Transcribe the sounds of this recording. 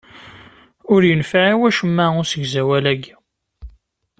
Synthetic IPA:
ʊɾjənfaʕiwæʃəmːæʊɾsəɡzæwælæɡ

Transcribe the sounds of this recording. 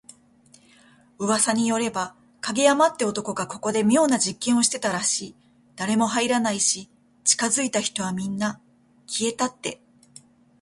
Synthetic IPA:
ɯ̟βasaɲ̟ijo̞ɾe̞ba | kaɡʲejamat̪ːe̞o̞t̪o̞ko̞ɡako̞ko̞d̪e̞mʲijo̞ːnad͡ʑikːẽɰ̃o̞ɕi̥t̪e̞t̪aɾaɕiː | d̪̥aɾe̞mo̞ɦaiɾanaiɕi | t͡ɕi̥kazɨit̪açi̥t̪o̞βamʲĩnːa | kʲie̞t̪at̪ːe̞

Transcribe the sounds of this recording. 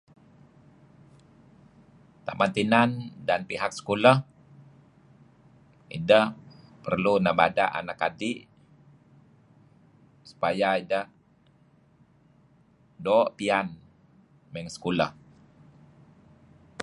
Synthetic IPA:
t̪amant̪inandanpiɦak̚sə̥kuləh | ḭdəhpərlunaʔba̰da̰ʔa̰nakadiʔ | su̥pajaidəh | dɔʔpian | mɛŋsə̥kulə̰h

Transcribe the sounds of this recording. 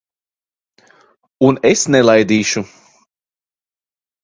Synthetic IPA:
unesnɛlˠajd̪iːʃu

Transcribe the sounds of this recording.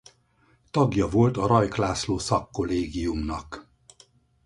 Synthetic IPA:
t̪ɒɡjɒvo̞lt̪ɒɾɒjklaːsloːsɒkːo̞leːɡijumnɒk

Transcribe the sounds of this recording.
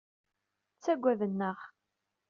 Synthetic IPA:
t͡sːæɡʷːæðənːəʁ

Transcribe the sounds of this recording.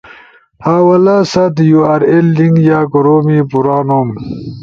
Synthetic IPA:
haːwɐlasɐt̪juaɾelːiŋɡjaːkoɾoːmipuɾaːnom

